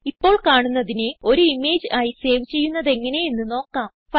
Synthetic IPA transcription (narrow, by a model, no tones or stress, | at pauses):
ipːo̞ːɭkaːɳunːɐðineo̞ɾuime̞ːd͡ʑaːjise̞ːʋt͡ɕːe̞jːunːɐðe̞ŋːɐne̞jenːɨno̞ːkːaːm | fɐ